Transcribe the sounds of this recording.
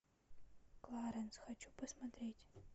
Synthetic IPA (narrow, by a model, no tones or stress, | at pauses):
klˠaːɾɐnsxɐt͡ʃʰupʰɐsmɐt̪reːjtʰʲ